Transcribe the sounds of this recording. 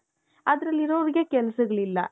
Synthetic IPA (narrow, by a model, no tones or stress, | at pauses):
ɐd̪ɐɾɐlːiɾoʋɐɾiɡe̞kɛlɐsɐɡɐɭilːɐ̰